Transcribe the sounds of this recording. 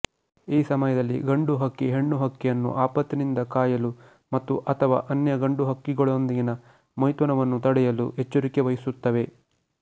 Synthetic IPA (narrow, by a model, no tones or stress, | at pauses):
iːsɐmɐjɐd̪ɐlːḭɡɐɳɖuɦɐkːiɦe̞ɳːuɦɐkːijɐnːṵʔaːpɐt̪ːinind̪ɐkaːjɐlu | mɐt̪ːuʔɐt̪ʰɐʋa̰ːʔɐnjɐɡɐɳɖuɦɐkːiɡɔɭond̪iɡinɐ | mɐjt̪ʋɐnɐʋɐnːut̪ɐɽɛjɐlṵet͡ʃːuɾikeʋɐjisut̪ːɐʋe̞